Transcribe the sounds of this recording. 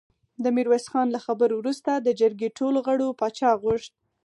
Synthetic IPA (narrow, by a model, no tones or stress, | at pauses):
d̪əmiɾwesxɑnlaxabəɾowɾust̪ad̪əd͡ʒəɾɡeʈoloɣəɽopɑt͡ʃɑɣuʂt̪̚